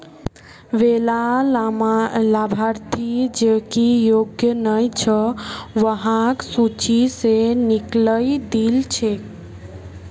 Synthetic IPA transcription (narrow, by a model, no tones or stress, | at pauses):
ʋelamlabʱaɾt̪ʰid͡ʒekijoɡjənəjt͡ʃʰəʋəɦãksut͡ʃisenikləjd̪ilt͡ʃʰek